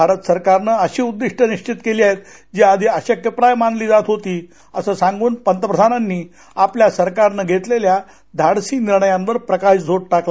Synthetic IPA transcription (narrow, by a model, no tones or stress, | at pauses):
bʱaɾət̪səɾkaɾnəəɕiːud̪ːiʂʈʰəniɕt͡ɕit̪keliːaɦet̪ | d͡ʑiːad̪ʱiːəɕəkəpɾajmanliːd͡zat̪ɦot̪iː | əsəsãŋɡuːnpənt̪əpɾəd̪ʱananːiː | apljasəɾkaɾnəɡʱet̪lelja | d̪ʱaɽsiːniɾɳəjãnʋəɾpɾəkaɕd͡zʱoɽʈakla